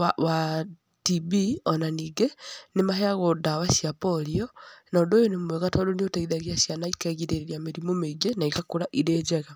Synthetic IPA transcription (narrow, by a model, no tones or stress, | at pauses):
awa | tibiɔnaniːɡenemaɦeaɣodawasjapɔɾiɔnaoːndoːjonemweɣatɔdoniotaiðaɣiasjanaikɛɣiɾeeɾiameɾimomeiɡenaikakoɾaʔiɾeːd͡ʒɛɣa